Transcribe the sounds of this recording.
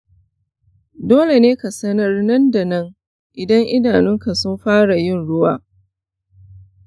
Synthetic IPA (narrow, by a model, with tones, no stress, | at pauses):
doː˦le˨neː˦ka˨sɐ˦nɐ˦rnɐ˦nda˨nɐ˦ŋ | ʔɪ˨dɐ˦ŋʔɪ˦daː˨nɪ˦ŋka˨sʊ˦mɸaː˦ɽa˨jɪ˦˨nɽʊ˦waː˦˨